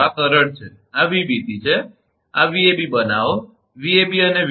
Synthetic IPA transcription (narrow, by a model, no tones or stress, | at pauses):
akəɾəɳt͡ʃʰe | aʋibit̪it͡ʃʰe | aʋiebibənaʋo | ʋiebiəneʋ